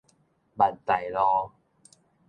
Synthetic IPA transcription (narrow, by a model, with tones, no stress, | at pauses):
ba˨˩t̚t̪a˨˩jlɔ˧˦